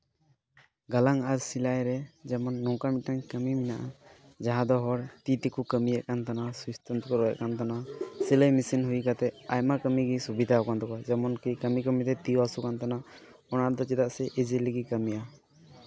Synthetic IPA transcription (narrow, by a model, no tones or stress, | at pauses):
ɡalaŋaɾsilajɾɛd͡ʒɛmɔnːɔkamitaŋkəmiminaʔa | d͡ʒaɦãd̪ɔɦɔɾt̪it̪ikukəmijaʔkant̪anasust̪ɔnt̪ukɔɾɔja̰ʔkant̪anasiləjmisinɦujkat̪ɛajmakəmiɡisubid̪ʱaɦɔwkand̪ɔkad͡ʒɛmɔnkikəmikəmit̪ɛt̪iasukant̪ana | ɔnaɾd̪ɔt͡ʃid̪aʔsɛʔid͡ʒiliɡikəmija